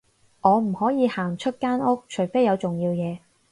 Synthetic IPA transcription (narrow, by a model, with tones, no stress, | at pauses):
ʔɔː˨˧m̩˨˩hɔː˨˥jiː˨˧haː˨˩ŋt͡ʃʰɵ˥t̚kaː˥nʊ˥k̚t͡ʃʰɵ˨˩ɥfe˥jɐ˨˧wt͡sʊ˨˩ŋjiː˧wjɛː˨˧